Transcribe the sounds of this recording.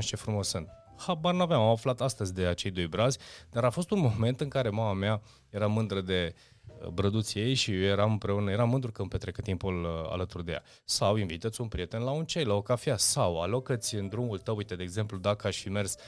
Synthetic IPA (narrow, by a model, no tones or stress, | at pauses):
t͡ʃe̞fɾumo̞sɨnd̪ | habarnavamamaflat̪ast̪əzʲd̪e̞at͡ʃe̞jd̪o̞jbɾazʲd̪aɾafo̞st̪unmo̞me̞nt̪ɨŋkaɾe̞mamamea | je̞ɾamɨnd̪ɾəd̪e̞̰ | bɾəd̪ut̪sʲje̞jʃijoje̞ɾamɨmpɾe̞unəje̞ɾamːɨnd̪ɾukəɨmpet̪ɾekət̪impula̰lət̪urd̪e̞ja̰ | sawinvit̪ət̪sʲunpɾije̞t̪e̞nlaunt͡ʃejlaokafiasawa̰lokət̪sʲɨnd̪ɾumult̪əwuijt̪ed̪eːɡze̞mplud̪akəaʃʲfime̞rs